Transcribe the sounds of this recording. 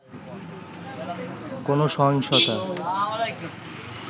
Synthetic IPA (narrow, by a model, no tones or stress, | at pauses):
konoʃɔɦɔŋʃɔt̪a